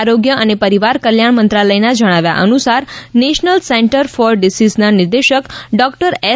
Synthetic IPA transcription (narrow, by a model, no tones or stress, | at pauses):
aɾoɡjəʔənepəɾiʋaɾkəljaɳ̃mənt̪ɾaləjnad͡ʒəɽ̃aʋja̰ʔənusaɾneʃnəlseɳʈəɾfɔɾɖisisnanɪɾd̪eʃəkɖɔkʈəɾe